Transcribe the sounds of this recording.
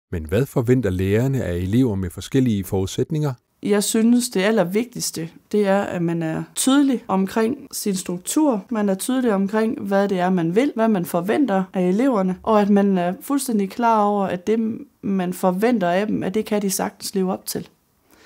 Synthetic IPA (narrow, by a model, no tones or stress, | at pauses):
menʋæðˠfɒ̽ʋen̰d̥ɐleːɐnəʔæe̝le̝ʊ̰ɐmefɒ̽sɡ̥el̰iəfɒːuðˠsed̥ne̝ŋɐ | jɑ̈ɪsynəsd̥e̝ælɐʋe̝ɡ̥̚d̥isd̥əd̥e̝æɐæ̰mænæɐt͡sʰyːð̞ˠəliɒ̽mkʰʁeŋ̰sinsd̥ʁuɡ̥̚t͡sʰuɐ̰mænæɐt͡sʰyːð̞ˠəliɒ̽mkʰʁeŋ̰ʋæðˠd̥e̝æɐmænʋe̝l̰ʋæmænfɒ̽ʋen̰d̥ɐʔæele̝ʊ̰ɐnəʔɒ̽æd̥mænæɐfulsd̥en̰d̥ikʰlɑ̰̈ːɒʊ̰ɐʔæd̥e̝mænfɒʋen̰d̥ɐæd̥emæd̥e̝kʰæd̥isɑ̈ɡ̥d̥n̩sle̝ːʊɒ̽b̥̚t͡sʰe̝l